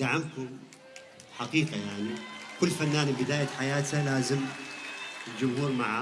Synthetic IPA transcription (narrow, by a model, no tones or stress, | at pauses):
d̪aʕamk̪ʊm | ħaqiːqɑjaʕnikʊlːfanːaːnbɪd̪aːjaħajaːt̪halaːzɪm | ld͡ʒʊmhuːɾmaʕa